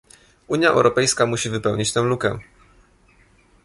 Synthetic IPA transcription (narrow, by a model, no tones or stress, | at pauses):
uɲjaʔɛ̰wɾʔɔpɛjskamuɕivɘpɛwɲit͡ɕt̪ɛ̃w̃lukɛ̰